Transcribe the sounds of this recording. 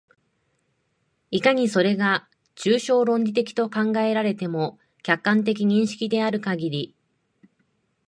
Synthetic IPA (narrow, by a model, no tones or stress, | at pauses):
ikaɲ̟iso̞ɾe̞ɡa | t͡ɕɨːɕo̞ːɾõ̞ɲdʲit̪e̞kʲi̥t̪o̞kãŋɡae̞ɾaɾe̞t̪e̞mo̞ | kʲakːãnt̪̬e̞k̬ʲiɲ̟ĩɰ̃ɕi̥kʲid̪e̞aɾɯ̟kaɡʲiɾʲi